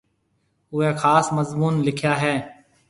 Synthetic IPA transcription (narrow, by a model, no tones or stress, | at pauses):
ʊɦeːxaːsməzmuːnlɪkʰjaːɦɛː